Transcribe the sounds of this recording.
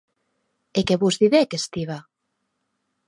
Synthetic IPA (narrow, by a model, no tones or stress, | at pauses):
ekeβuzðiðekest̪iβa